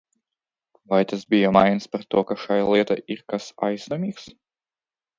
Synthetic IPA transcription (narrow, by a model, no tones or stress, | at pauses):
vajt̪asbʲijɔmajnspaɾt̪uɔkaʃajalˠiɛt̪ajʔiɾkasa̰jsnɔmʲiːks